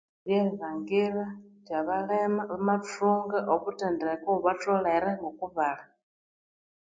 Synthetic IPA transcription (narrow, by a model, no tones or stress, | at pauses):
βjɛβaŋɡiɺad͡ʒjaβaɺɛmaβamafuŋɡaʔokutɛndɛkɔβatɔɺɛɾɛŋɔkuβaɺa